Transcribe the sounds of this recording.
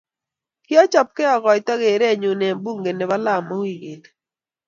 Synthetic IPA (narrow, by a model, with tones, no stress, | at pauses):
kɪ˦ɔ˦t͡ʃɔ˨p̚kɛ˦ɔ˨ɡɔ˨jtɔ˦ɡe˨ɾe˦˨ɲu˨ne˨mbu˦ŋɡe˨ne˨ba˦la˦˨mo˦wi˦˨ɡe˨t